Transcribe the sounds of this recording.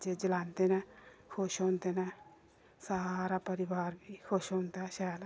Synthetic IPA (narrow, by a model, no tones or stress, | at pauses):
d͡ʒeːd͡ʒəlãːnd̪eːnɛːkʰʊʃɔ̃ːnd̪eːnɛː | saːɾaːpəɾɪʋaːɾbiːkʰoʃɔ̃ːnd̪aːʃaːla